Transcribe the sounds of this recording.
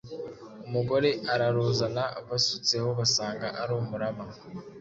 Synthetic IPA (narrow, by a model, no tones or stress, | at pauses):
umuɡo̞ɾe̞ʔaɾaɾuzanaβasut͡se̞ho̞βasaːŋɡaʔaɾomuɾama